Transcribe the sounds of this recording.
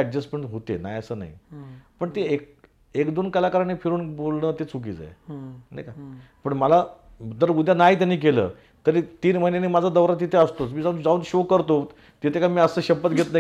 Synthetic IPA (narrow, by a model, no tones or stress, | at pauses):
ɛɖd͡ʑəsmeɳʈɦot̪ḛna̰jəsəːna̰ɦḭpəɳt̪eek̚ | ekd̪onkəlakəɾanefʰiɾuːnbolɳəːt̪et͡sʰuk̬ḭːd͡za̰jnajka | pəɳməla | d̪əɾud̪ʱjanajt̪̬janːiːk̬elə̰ː | t̪əɾiːt̪iːnməɦinanimad͡zʱad̪əʋɾat̪̬ːit̪ʰeəst̪ot͡smiːd͡zaũnd͡zaũnɕokəɾt̪o | t̪it̪ʰekamiːəsəɕəpət̪ɡʱet̪na